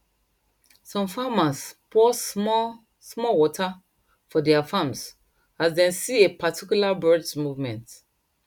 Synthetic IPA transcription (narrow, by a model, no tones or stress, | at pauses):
sɔ̃mfamaspɔ | smɔwɔtʰa | fɔdɛafãms | azdɛ̃nsiepatʰikjulabɜdsmuvmɛ̃nt